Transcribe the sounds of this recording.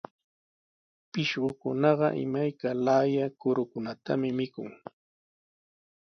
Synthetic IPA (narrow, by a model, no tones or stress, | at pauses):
pɪʃɢʊkʊnɑɢɑʔɪ̰majkalajakʊɾʊkʊnat̪a̰mɪmɪkʊ̰ŋ